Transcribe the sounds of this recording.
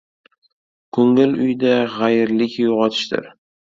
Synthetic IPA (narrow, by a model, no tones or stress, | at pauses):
kʰɵŋɪlʊjd̪aʁajɪɾlɪkʲjʊʁɒt̪ʰɪ̥ʃt̪ɪ̰ɾ